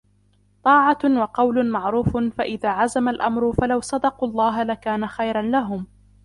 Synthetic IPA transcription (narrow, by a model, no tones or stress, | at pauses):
t̪ˤɑːʕɑwɑqɑwlʊmɑʕɾuːfʊfaʔɪðaːʕazamalʔamɾʊfalawsˤɑd̪ɑquːɑlˤːɑːɦalakaːnaxajɾˤɑnlaɦʊm